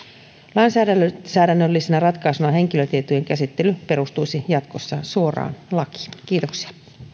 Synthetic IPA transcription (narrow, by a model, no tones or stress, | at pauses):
lɑinsæːsæːdænːølːisenærɑt̪kɑisunɑɦe̞ŋkiløt̪iet̪ujeŋkæsit̪ːe̞lype̞ɾust̪ujsijɑt̪ko̞sːɑsuo̞rɑ̰ːnlɑki̥ɑk̟iːt̪oksi̥ɑ̥